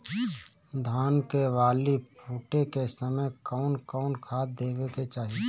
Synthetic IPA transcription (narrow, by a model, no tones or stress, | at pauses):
d̪ʱaːnkeʋaːlipʰuːʈekesəməjkɔːʊnkɔːnkʰaːt̪̚d̪eːbeket͡ʃaːɦi